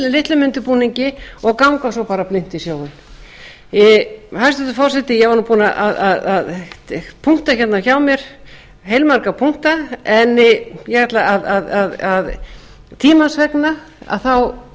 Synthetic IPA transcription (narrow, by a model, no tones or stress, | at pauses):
lɪlɪht̪lʏmʏnt̪ʏpuːniɲcɪɔɣkawŋkasɔwpaːɾaplɪn̥t̪isjoːwɣɪn | hajst̪ʏt̪ʏfɔ̥sɛht̪ɪjɛvaɾnupuːnaʔaðaðað | pʰuŋ̥t̪açɛt̪naçawmjɛɾ̥ | ɦejlmaɾkapʰuŋ̥t̪aɛnjɛhat̪laaðaðaðað | t̪ʰiːmansvɛkna | a̰ðθaw